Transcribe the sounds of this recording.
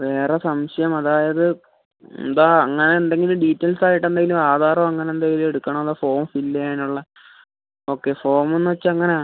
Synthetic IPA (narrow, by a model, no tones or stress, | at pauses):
ʋe̞ːresɐmɕɐjɐmɐðaːjɐðɨ̰ | nd̪aːɐŋːɐneːnd̪eŋɡilumɖiːtːɐlsaːjiʈːe̞nd̪eŋɡilumaːd̪ʱaːɾɐmɐŋːɐneend̪eŋɡilume̞ɽukːɐɳɐmɐðafo̞ːmfilːɐjaːnuɭːɐ | o̞ːkːe̞fo̞ːrmenːɨʋɐt͡ɕːɐŋːɐneaː